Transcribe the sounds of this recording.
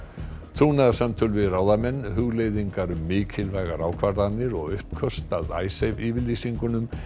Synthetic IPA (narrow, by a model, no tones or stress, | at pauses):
t̪ʰɾuːnaðasamt̪ʰʏlvɪðraːwðamɛnːɦʏɣlejðiŋkaɾʏmːɪːcʰɪlvajɣaɾawkʰvaɾðanːɪɾɔɣʏhpkʰœst̪aða̰ːjsejviːvɪliːsiŋkʏnʏm